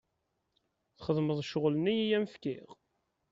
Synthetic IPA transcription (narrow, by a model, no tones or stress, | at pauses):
θχəðməðˤʃoʁlənijijæməfkiʁ